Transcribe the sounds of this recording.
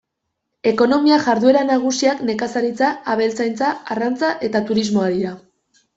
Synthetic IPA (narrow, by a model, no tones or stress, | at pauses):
e̞ko̞no̞miaʝaɾðue̞ɾanaɣ̞usiakne̞kasaɾit͡saaβe̞lt͡sajnt͡saarant͡saʔe̞t̪at̪uɾizmo̞aɾiɾa